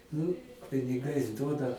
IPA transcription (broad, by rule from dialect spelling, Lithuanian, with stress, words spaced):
nʊ pʲɪnʲɪˈɡɐɪs ˈduɔdɐ